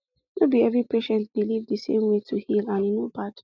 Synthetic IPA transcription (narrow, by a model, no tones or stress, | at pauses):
mebiɛvɹipʰeʃɛ̃ntbilivdəsḛ̃mwetʰuhilãnjunobat